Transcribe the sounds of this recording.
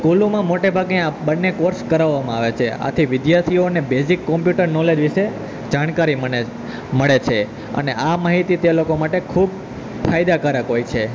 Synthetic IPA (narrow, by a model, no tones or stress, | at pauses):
kulumãmoʈebʱaɡneabənːekoɾskəɾaʋːamãaʋet͡ʃʰea̰t̪ʰiʋɪd̪jaɾt̪ʰionebezikːɔ̃mpjuʈəɾnɔled͡ʒʋiʃe | d͡ʒaɽ̃kaɾiməe | məɭet͡ʃʰe | ə̰neʔamaɦit̪it̪elokomaʈekʰub̚ | fʰajd̪akəɾəkɦojt͡ʃʰe